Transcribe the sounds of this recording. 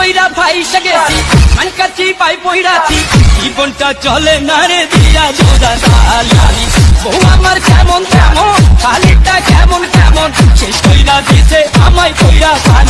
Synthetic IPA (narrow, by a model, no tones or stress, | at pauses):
ojɾapʰajʃaɡet͡ʃʰimankat͡ʃipajpojɾat͡ʃʰikibɔɳʈat͡ʃɔlenaɽed̪iɾabod͡ʒad̪aaliniboɦuamaɾkɛmont̪ɛmonkʰaliʈakɛmonkɛ̰monʃeʃkojɾad̪isʰea̰majpojɾapa